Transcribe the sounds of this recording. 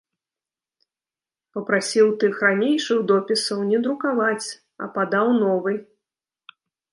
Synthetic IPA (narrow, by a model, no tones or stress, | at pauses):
pɐpɾasʲiwt̪ɨxranʲejʂɨɣd̪ɔpʲisɐwnʲɛd̪ɾukavat͡sʲ | ɐ̰pad̪awnɔvɨj